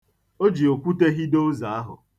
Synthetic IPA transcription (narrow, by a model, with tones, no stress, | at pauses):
o˦d͡ʒi˨o˨kʷu˦te˦ɦi˦do˦za˨a˦ɦʊ̰˨